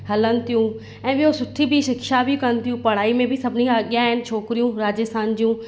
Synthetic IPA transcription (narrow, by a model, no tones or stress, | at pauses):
hɐlənɪ̆t̪ʰijũ | ɛ̃ːɓiɦosʊʈʰibiʃɪkʃabikɐənɪ̆t̪ʰijũpɐɽ̤aːimẽbʱɪsɐbʱɪniaɠjaɦɪnɪ̆t͡ɕʰoːkɪɾijũɾaːd͡ʑəst̪ʰaːnd͡ʑiũ